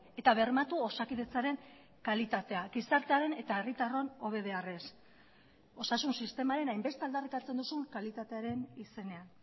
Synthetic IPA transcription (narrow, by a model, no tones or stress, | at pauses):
e̞t̪aβe̞rmat̪uosakiðe̞t͡saɾe̞ŋ | kalit̪at̪e̞aɡisaɾt̪eaɾe̞ne̞t̪ae̞rit̪aro̞no̞β̞e̞ð̞e̞are̞s | o̞sasunsist̪e̞maɾe̞najmbe̞st̪eald̪arik̪at͡se̞nd̪usuŋkalit̪at̪eaɾe̞nise̞ne̞an